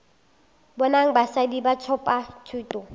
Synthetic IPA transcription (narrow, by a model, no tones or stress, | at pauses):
bɔnaŋ̩basadibat͡sʰɔpʼatʰuːtʼɔ